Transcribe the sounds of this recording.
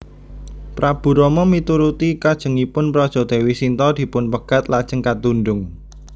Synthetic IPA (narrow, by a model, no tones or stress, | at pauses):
pɾab̥ṳɾɔmɔmit̪uɾut̪ikad̥ʒ̥ə̤ŋipʊnpɾɔd̥ʒ̥ɔ̤d̪̥e̤wisint̪ɔd̪̥i̤pʊnpəɡ̥at̪lad̥ʒ̥ə̤ŋkat̪unɖʊŋ